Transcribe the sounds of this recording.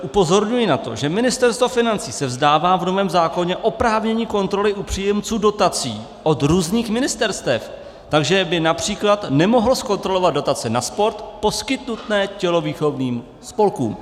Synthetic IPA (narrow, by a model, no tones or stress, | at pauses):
ʔupo̞zo̞ɾɲujɪnat̪o̞̰ʒɛmɪnɪst̪ɛɾst̪vofɪnant͡siːsɛvzdaːvaːvno̞vɛːmzaːko̞ɲɛʔo̞pɾaːvɲɛɲiːko̞nt̪ɾo̞lɪʔupr̝̥iːjɛmt͡suːdo̞t̪at͡siː | ʔo̞d̪ɾuːzniːxmɪnɪst̪ɛɾst̪ɛf | t̪aɡʒɛbɪnapr̝̥iːklat̪nɛmo̞ɦlosko̞nt̪ɾo̞lo̞vad̪̚do̞t̪at͡sɛnaspo̞ɾt̪po̞skɪt̪nut̪nɛːcɛlo̞viːxo̞vniːm | spo̞lkṵːm